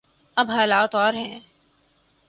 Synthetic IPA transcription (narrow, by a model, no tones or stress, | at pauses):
ɐbɦaːlaːt̪ɔːɾɦɛ̃ː